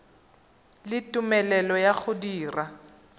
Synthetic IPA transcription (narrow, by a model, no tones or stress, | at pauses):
lɪtʼumɛlɛlɔjak͡xʊdiːra